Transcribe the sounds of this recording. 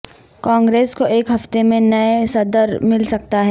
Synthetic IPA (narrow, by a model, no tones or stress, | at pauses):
kãːŋɡɾeːskoʔeːkɦɐft̪emẽnɐesɐd̪əɾmɪlsɐk̚t̪aɦɛː